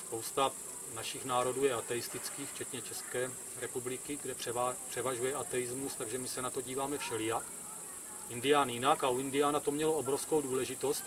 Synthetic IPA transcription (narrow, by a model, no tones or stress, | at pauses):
spo̞wst̪a | naʃɪxnaːɾo̞duːjɛat̪ɛjɪst̪ɪt͡skiːxft͡ʃɛt̪ɲɛt͡ʃɛskɛː | ɾɛpublɪkɪɡdɛɛpr̝̥ɛvaʒujɛʔat̪ɛjɪzmust̪aɡʒɛmɪsɛnat̪o̞ɟiːvaːmɛfʃɛlɪjak | ɪndɪjaːnjɪnakauɪndɪjaːnat̪o̞mɲɛlo̞obɾo̞fskowduːlɛʒɪt̪o̞st̪